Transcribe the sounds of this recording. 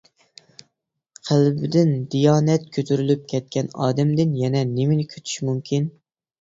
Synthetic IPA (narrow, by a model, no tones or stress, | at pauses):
qʰælbɪd̪ɪnd̪ijɑːnɛt̪̚kʲʰøt̪ʰyɾylyp̚kʲʰɛt̪̚kʲɛnɑ̰ːd̪ɛmd̪ɪnjɛnɛnemɪnɪkʲʰø̥t̪ʰy̥ʃmumkʲʰin